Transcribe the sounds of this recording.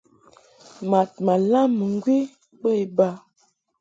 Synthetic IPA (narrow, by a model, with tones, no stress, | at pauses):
ma˨t̚ma˨la˦mə˨ŋ˦ɡwi˦ | bə˦e˨ba˦